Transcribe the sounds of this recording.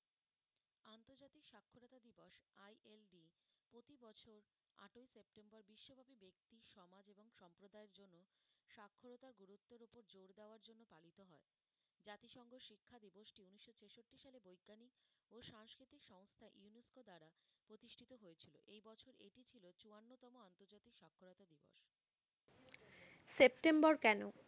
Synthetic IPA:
ant̪oɾd͡ʑat̪ikʃakʰːoɾot̪ad̪iboʃajʔelɖi | pɾot̪ibɔt͡ɕʰoɾ | a̰ʈojsep̚ʈembɔɾbiʃːobʱabibek̚t̪iʃɔmad͡ʑeboŋʃɔmpɾod̪aeɾd͡ʑonːo | ʃakʰːoɾot̪aɾɡuɾut̪ːoɾopoɾd͡ʑoɾd̪eoaɾd͡ʑonːopalit̪oɦɔe | d͡ʑat̪iʃɔŋɡʱoʃikʰːad̪iboʃʈiuniʃːot͡ɕʰeʃoʈːiʃalebojɡːanik | oʃaŋskɾit̪ikʃɔŋst̪ʰaʔiuneskod̪aɾapɾot̪iʃʈʰit̪oɦojet͡ɕʰilo̰ʔejbɔt͡ɕʰoɾḛʈit͡ɕʰilot͡ɕuanːot̪ɔmoant̪oɾd͡ʑat̪ikʃakʰːoɾot̪ad̪ibo̰ʃ | sep̚ʈembɔɾkɛno

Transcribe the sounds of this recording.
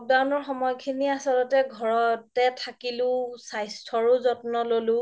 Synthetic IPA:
k̚dawnɔɹxɔmɔjkʰiniasɔlɔtɛɡʱɔɹɔtɛtʰakilʊ̃sajstʰɔɹʊzɔtnɔlolʊ̃

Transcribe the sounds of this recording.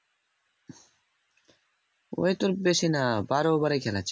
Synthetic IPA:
o̰jt̪oɾbeʃinabaɾobaɾekʰɛlat͡ɕʰ

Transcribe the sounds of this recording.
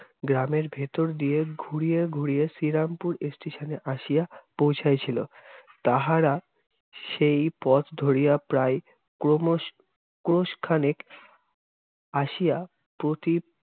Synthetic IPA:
ɡɾameɾbʱet̪oɾd̪ijeɡʱuɾijeɡʱuɾijesiɾampuɾesʈeʃaneʔaʃijapowt͡ɕʰajt͡ɕʰilot̪aɦaɾa | ʃejpɔt̪d̪ʱoɾijapɾaj | omo | kɾoʃkʰanek | aʃija | pɾot̪i

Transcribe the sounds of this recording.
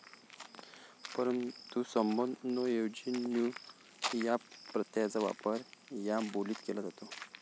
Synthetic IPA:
pəɾənt̪usəmbənɔjewd͡ʑinju | japɾət̪jad͡zaʋa̰pəɾjaboliːt̪kelazat̪o

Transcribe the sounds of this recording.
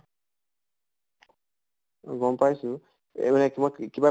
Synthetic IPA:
ɡɔmpajsu | ḛmanekmɔkiba

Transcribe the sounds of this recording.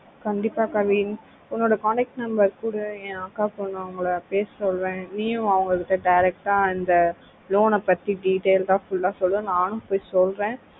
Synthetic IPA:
kɐɳɖɪpːaːkɐʋiːn | ʊnːoːɽɐkaːnɛk̚ʈnɐmbɐɾkuːɽɯẽːakːaːpːoːnãɐʋɐŋɡɐɭɐpeːssɔlɾẽːniːʊ̃ɐʋɐŋɡɐkɪʈːɐɖɐɪɾɛk̚ʈaːɪnd̪ɐ | loːnɐpɐt̪ːiɖiːʈeːlt̪ãːfʊlːãːsɔlɾɐnãːnʊ̃poːjsɔlɾẽː

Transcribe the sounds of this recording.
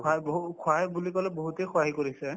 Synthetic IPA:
aboɦkʰwajbulikɔlɛboɦutekʰwaɦikoɹisɛ

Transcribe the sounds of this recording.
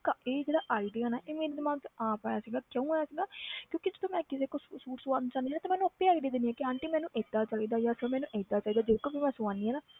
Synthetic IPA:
kaeːd͡ʒeːɽaːʔaːid̪eːãːnaːʔeːmẽːɾd̪ɪmaːɡ̚t̪aːpaːjaːsiɡaːkjõũaːjaːsiːɡaːkjõːkɪd͡ʒəd̪õːmɛ̃ːkɪseːkoːsuːʈsʊãːnd̪t͡ʃãːnd̪iɦːnãːt̪ãːmɛːnũːəpːẽaːɡd̪iːd̪ɪniːɛːkɪɦãːɳʈimɛ̃ːnũːʔeːd̪aːt͡ʃaːiːd̪aːjaːsəmɛːnũːʔɛd̪aːt͡ʃaːiːd̪aːd͡ʒɪkoːbimɛ̃ːsʊãːniːɛːnaː

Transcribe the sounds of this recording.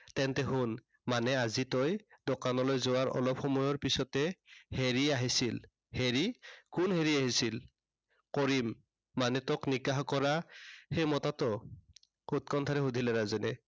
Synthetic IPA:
tɛntɛɦun | manɛazitɔjd̥ɔkanɔlojzowaɹɔ̰lɔpxɔmɔjɔɹpisɔtɛheɹiaɦisil | heɹikunɦeɹiaɦisil | kɔɹimː | anɛtɔknikaɦkɔɹaxejmɔtatɔ | ut̚kɔntʰaɹɛɦudʱilɛɹazɛnɛ

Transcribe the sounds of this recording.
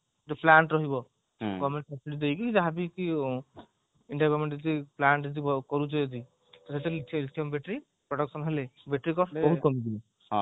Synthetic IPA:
d͡ʒɔplaɳʈɾɔɦibɔ | ɡɔmeɳʈsɔpsiʈid̪ejkid͡ʒaɦabiki | iɳɖajbeɾmẽʈd͡ʒɔd̪iplaɳʈd͡ʒɔd̪iɔkɔɾut͡ʃɔjɔd̪i | t̪ɔset̪eiliʈ̪ʰiɔmbeʈɾi | pɾɔɽɔksɔnɦelebeʈɾikɔbɔɦut̪̚kɔmiɡ̪ibɔ

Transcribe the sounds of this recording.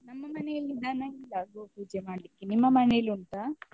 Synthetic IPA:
nɐmːɐmɐnejlːid̪aːnɐilːaɡoːpuːd͡ʒemaːɽlikːinimːɐmɐneluɳʈaː

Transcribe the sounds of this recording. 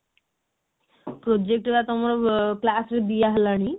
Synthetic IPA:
pɾod͡ʑek̚ʈet̪at̪omaɾɔklasɾed̪ijaɦlaɽ̃i

